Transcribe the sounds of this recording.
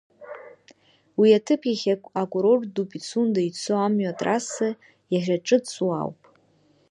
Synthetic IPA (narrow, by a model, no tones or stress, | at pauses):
wiatʰɨpʰjaχʲakʷʼakʷʼuɾordupʼit͡sʰundait͡sʰoamɥatʼrasɨ | jaʒʷᶣaʈ͡ʂʼɨt͡sʰʼuwa̰wpʼ